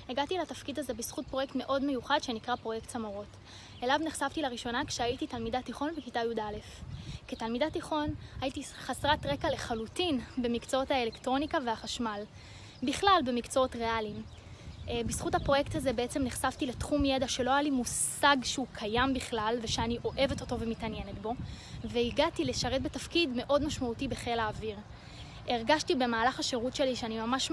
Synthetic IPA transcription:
eɡatilatafkidaze̞bisχut̚pʁo̞jektme̞ʔo̞dme̞juχadʃe̞nikʁapʁo̞jektsamoʁo̞t | elavniχʃavtilaʁiʃo̞nakʃeajititalmidatiχo̞nbekitajudale̞fketalmid̪atiχo̞nhajitiχasʁatʁe̞kale̞χalutinbe̞mikt͡soothaelektʁo̞nikaveaχaʃmal | biχlalbe̞mikt͡sootʁe̞alim | bisχuthapʁo̞je̞ktaze̞beet͡se̞mniχsavtile̞tχumje̞daʃe̞lo̞ajalimus | aɡʃeukʰajambiχlalveʃeaniʔo̞ʔe̞ve̞to̞to̞vemitanje̞netbo̞ | veiɡatileʃaʁet̚betafkidme̞ʔo̞dmaʃmautibeχelaːviʁ | ʔeʁɡaʃtibe̞maːlaχaʃeʁutʃe̞liʃeanimamaʃ

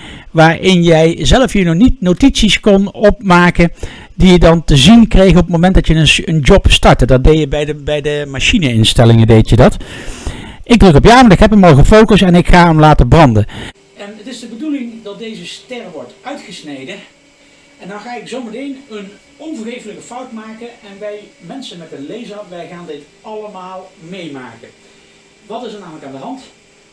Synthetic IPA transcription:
ʋaːɹʔɪnjɛjzɛləfjinɔχnitnowtitsiskɔnɔp̚maːkən | dijədɑntəzinkrejɣənɔpətmomɛntdɑtjəənd͡ʒɔpstɑɹtədɑt̚dejjəbɛjdəbɛjdəmaʃinəɪnstɛlɪŋədejtjədɑt | ɪɡ̚drɵkɔpjaːmanɪkɦɛpəmɔlˠɣəfowkəsɛnɪkχaːəmlaːtəbrɑndə | ɛnətɪzdəbədulɪŋdɑt̚dejzəstɛrʋɔɹtʔœɥtχəsnejdə | ɛndɑnχaːɪksowmətejnən | ɔnvəɹχejfələkəfʌwtmaːkəɛnʋɛjmɛnsənmɛtənlejzəpʋɛjχaːndɪt | ɑləmaːlˠmejmaːkən | ʋɑtɪsətnaːmələkaːndəɦɑnt

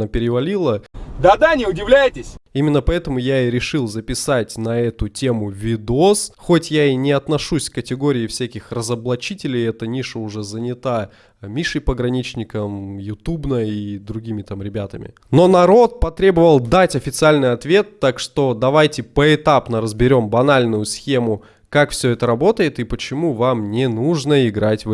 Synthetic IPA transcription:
əpʲɪɾʲɪvɐlʲilˠəd̪ad̪anʲɪʊdʲɪvlʲæjɪtʲɪsʲimʲɪnːəpɐɛt̪əmʊjaiɾʲɪʂɨlˠzəpʲɪsatʲnɐɛt̪ʊtʲemʊvʲɪd̪osxotʲjainʲɪɐt̪nɐʂusʲkətʲɪɡo̞ɾʲɪɪfsʲækʲɪxrəzəblˠɐt͡ɕitʲɪlʲɪjɛt̪ənʲiʂəʊʐɛzənʲɪt̪a | mʲiʂɨjpəɡɾɐnʲit͡ɕnʲɪkəmjʊt̪ubnəid̪ɾʊɡʲimʲɪt̪amɾʲɪbʲat̪əmʲɪ̰ | no̞nɐɾo̞t̪̚pɐt̪ɾʲe̞bəvəlˠd̪atʲɐfʲɪt̪sɨalʲnɨjɐt̪vʲe̞t̪ːakʂt̪o̞d̪ɐvajtʲɪpəɪt̪apnəɾəzbʲɪɾʲo̞mbɐnalʲnʊjʊsxʲe̞mʊ | kakfsʲɵɛt̪əɾɐbo̞t̪əjɪt̪ɨpət͡ɕɪmuvamnʲɪnuʐnəɪɡɾatʲv

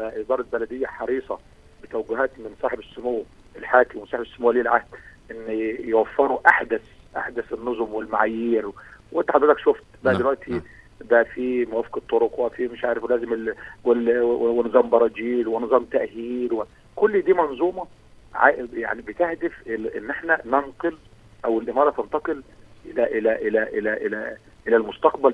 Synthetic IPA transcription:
bæʔɪd̪ˤɑːɾˤɑbælæd̪ɪjːæħɑɾiːsˤɑ | bɪt̪æwæɡʊɦæːt̪mɪnsˤɑːħebɪsːʊmoːw | ʔɪlħaːkɪmwmɪnsɑːħebɪsːʊmowliːlʕahd̪̥ʔɪnːjwæfːɑɾˤuʔaħd̪æs | ʔa̰ħd̪æsɪnːozˤʊmwɪlmaʕajiːɾwʔent̪ːaħad̪ɾæt̪ækʃoft̪baʕdd̪elwæʔt̪ʰi | bæʔfimwæfket̪ˤːoɾokwæʔfimeʃʕaːɾɪfwlæːzɪmɪwelwewenzˤɑːmbɑɾˤɑd͡ʒiːlwenɨzˤɑːmt̪æʔhiːlwe | kolːd̪iːmɑnzˤuːmɑ | ʕa̰ʔja̰ʕnibet̪ehd̪efʔeʔenːʔeħnænænqɨl | ʔæwelʔemɑːɾˤɑt̪ent̪ɑqɨlʔelæʔelæʔelæʔelæʔelæ | ʔelælmost̪ɑqbæl

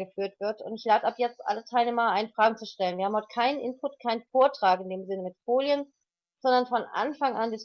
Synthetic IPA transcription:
ɡəfyːɐtv̥ɪɐtʊntɪçlaːtʔapjɛt͡stʔa̰lətʰaɪlneːmɐʔaɪnfʁ̥aːɡŋ̩t͡suʃtɛlənviːɐhaːm̩hɔt̚kʰaɪnənʔɪnpʰʊtkʰaɪnənfoːɐtʁ̥aːkɪndeːmzɪnəmɪtfoːljən | z̥ɔndɐnfɔnʔa̰nfaŋʔandɪs

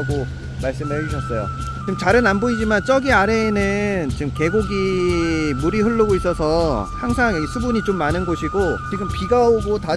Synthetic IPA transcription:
ɡo | maɭs͈ɯmed͡ʑuɕʰʌs͈ʌjo̰ | t͡ɕɯmt͡ɕaɾɯnanboid͡ʑimant͡ɕ͈ʌɡiaɾe̞ːnɯnt͡ɕɯmke̞ɡoɡi | muɾiɸɯɭːoɡois͈ʌsʰʌhaŋsʰaŋs͈ʰubuɲit͡ɕomːanɯnɡoɕʰiɡot͡ɕiɡɯmpiɡaoɡota

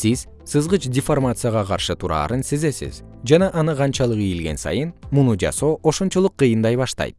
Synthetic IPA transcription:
siz̥ | sɯzʁɯt͡ʃdʲɪfo̞rmat̪sɨjaʁɑqʰɑɾʃɯt̪ʰuɾɑ̰ːɾɯnseze̞sḭz̥ | d͡ʒɑnɑʔɑnɯqʰɑnt͡ʃɑlˠɯqijilɡe̞̰nsɑ̰jɯnmunud͡ʒɑ̰so̞ːʔoʃont͡ʃolˠuqːɯjɯnd̪ɑjβɑʃt̪ɑ̰jt̪̚

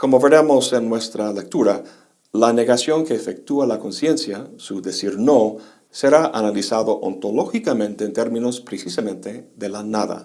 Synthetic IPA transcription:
ko̞moβe̞ɾemo̞se̞nːwe̞st̪ɾale̞k̚t̪uɾa | lane̞ɣasjo̞ŋkeːfek̚t̪ualako̞nsje̞nsjasuðesiɾno̞ | se̞ɾaʔanalisaðo̞ʔont̪oloxikamẽnt̪eːnt̪e̞ɾmĩno̞spɾesisamẽ̞nt̪e̞ðe̞lanaða̰

